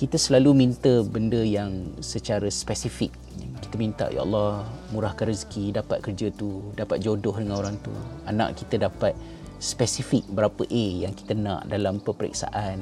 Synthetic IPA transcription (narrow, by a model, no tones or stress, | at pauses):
kit̪əsəlalumint̪əbəndəjaŋsət͡ʃaɾəspɛsifɪk̚ki̥t̪əmint̪a̰ʔja̰ɑ̰lːɑhmuɾahkanɾizkidapat̪̚kərd͡ʒət̪udapat̪̚d͡ʒodʊhdəŋanoɾaŋt̪ṵanã̰ʔkit̪ədapat̪̚ | spɛsifɪk̚bəɾapəʔejaŋki̥t̪ənã̰ʔdalampəpəɾḭksa̰ʔan